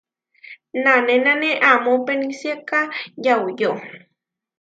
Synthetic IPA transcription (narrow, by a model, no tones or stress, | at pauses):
nanenaneʔamopenisjakajawjo